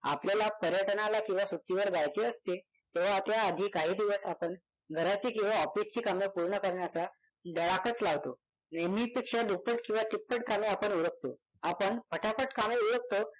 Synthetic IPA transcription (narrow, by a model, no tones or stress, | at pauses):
a̰pljalapəɾjəʈnalakĩw̃ʋasut̪ːiʋəɾd͡zajt͡ɕeəst̪e | t̪eʋ̤at̪jaːd̪ʱiːkaɦiːd̪iʋəsapəɳ | ɡʱəɾat͡ɕiːkĩw̃ʋaɔfist͡ɕiːkamjepuɾɳəkəɾɳjat͡sa | ɖəɭakət͡slaʋt̪o | nemipikɕad̪upəʈkĩw̃ʋaʈipːəʈkameapəɳuɾək̚t̪o | apəɳpʰəʈʰapəʈkameuɾək̚t̪o